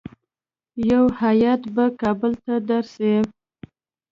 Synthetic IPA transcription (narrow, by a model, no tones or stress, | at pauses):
jawhajat̪bakɑbəlt̪ad̪aɾse